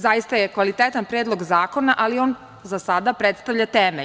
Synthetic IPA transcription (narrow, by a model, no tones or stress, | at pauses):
zajist̪ajekʋalit̪et̪anpɾed̪lˠo̞ɡzaːko̞naʔalio̞ːn | zasad̪apɾet̪st̪aʋʎat̪eːme